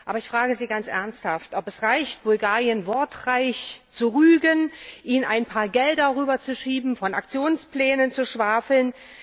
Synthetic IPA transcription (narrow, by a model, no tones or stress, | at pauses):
ʔaːbɐɪçfʁ̥aːɡəziːɡant͡sʔɛ̰ɐnsthaftʔɔpɛsʁaɪçt̚b̥ʊlɡaːʁijənvɔɐtʁaɪçt͡suʁyːɡənʔiːnaɪnpʰaːɐɡɛldɐʁyːbɐt͡suʃiːbm̩fɔna̰k̚t͡sjoːnspl̥ɛːnənt͡suʃv̥aːfl̩n